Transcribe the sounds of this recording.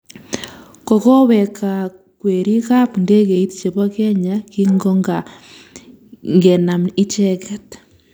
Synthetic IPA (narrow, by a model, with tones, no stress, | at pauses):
ko˨ko˦βɛ˨ka˨ | kwe˨ɾi˦ka˦pnde˦ke˨i˦tt͡ʃe˨βo˦ke˦ɲa˦ki˦ŋɡo˦ŋɡa | ŋɡe˨na˨mi˦t͡ʃɛ˦kɛt